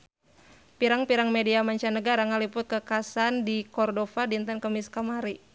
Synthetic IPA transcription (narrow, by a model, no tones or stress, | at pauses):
piɾaŋpiɾaŋmediamaɲt͡ʃanəɡaɾaŋalipʊt̪̚kəkasandikɔrdofadint̪ankəmiskamaɾi